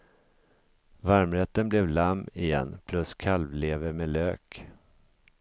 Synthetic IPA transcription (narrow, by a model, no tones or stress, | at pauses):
vaɾmɾɛt̪ːənblɛvlamːɪjɛ̰nːpʰlɵskʰalvleːvəɾmeløːk